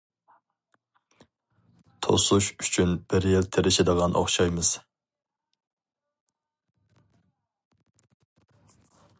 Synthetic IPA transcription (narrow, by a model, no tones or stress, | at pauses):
t̪ʰo̰suʃyt͡ʃʰynb̥ɪɾjelt̪ʰeɾɪʃɛd̪əʁɑnʔo̰χʃɑjmɨz̥